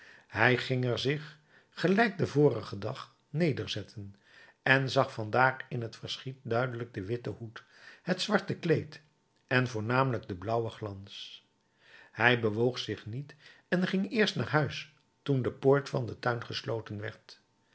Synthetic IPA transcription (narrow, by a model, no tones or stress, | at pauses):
ɦɛjχɪŋɛɹzɪχ | χəlɛjk̚dəvʊːrəχədɑχ | nejdəɹzɛtʰən | ɛnzɑχfɑndaːrɪnɦətfəɹsχit̚dœɥdələɡ̚dəʋɪtəhut | ɦətsʋɑɹtəklejt | ʔɛnvʊːɹnaːmələɡ̚dəblʌwəχlɑns | hɛjbəʋowχsɪχnit | ɛnχɪŋɪːɹstna̰ːɹɦœɥs | tundəpoːɹtfɑndətœɥnχəslowtənʋɛ̰ɹt